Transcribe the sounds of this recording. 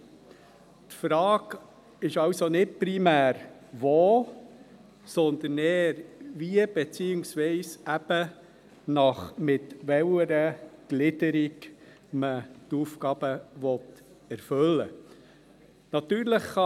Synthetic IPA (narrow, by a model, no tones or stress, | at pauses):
t̪fɾɑːɡ | ɪʃɑwsonɪt̚pɾimæːɾ | ʋoː | sɔnd̪ənɛːɾviəb̥ɛt͡siːɪŋsʋiɪsæb̥ə | nɑχmɪt̪ʋɛwəɾəɡ̥lɪd̪əɾiɡ | mət̪ufkɑːb̥əʋɔt̪ | ɛɾfɵlːə̰ | nɑt̪yːɾləχχɑ